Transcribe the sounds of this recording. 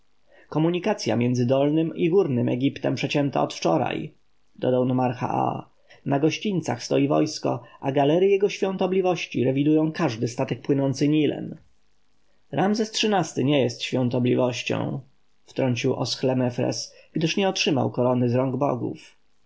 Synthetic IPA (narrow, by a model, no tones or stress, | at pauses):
kɔmuɲikat̪sʲja̰mʲjɛnd̪zɘd̪ɔlnɘmiɡuɾnɘmɛɡʲipt̪ɛmpʂɛt͡ɕɛnt̪a̰ɔt̪ft͡ʂɔɾa̰j | d̪ɔd̪awnɔmaɾxa̰a̰ | naɡɔɕt͡ɕint̪sa̰xst̪ɔjivɔ̰jskɔ̰ʔaɡalɛɾjijɛɡɔɕfʲjɔ̃nt̪ɔblʲivɔɕt͡ɕiɾɛvʲid̪ujɔ̃w̃kaʐd̪ɘst̪at̪ɛk̚pwɘnɔnt̪sɘɲilɛ̰n | ɾamzɛstʂɘnast̪ɘɲɛjɛst̪ɕfʲjɔ̃nt̪ɔblʲivɔɕt͡ɕɔ̰̃w̃ | ft̪ɾɔɲt͡ɕiwʔɔ̰sxlɛmɛfɾɛ̰sɡ̥d̪ɘʂɲɛɔtʂɘma̰wkɔɾɔnɘzɾɔŋɡbɔ̰ɡṵf